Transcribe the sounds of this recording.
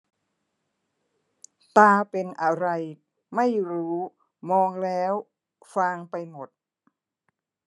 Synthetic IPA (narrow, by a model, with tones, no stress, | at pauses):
t̪aː˧pe˧nʔa˧ɾa˧j | ma˥˩jɾuː˦˥ | mɔː˧ŋlɛː˦˥w | faː˧ŋpa˧jmo˨˩t̪̚